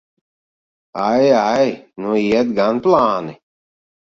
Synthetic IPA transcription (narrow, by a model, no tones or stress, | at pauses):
ajajnũiɛt̪̚ɡanplaːni